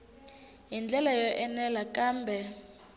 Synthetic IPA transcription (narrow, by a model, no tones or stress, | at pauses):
jind͡ɮʱɛlajɔʔɛnɛlak̬ʼaːmbʱɛ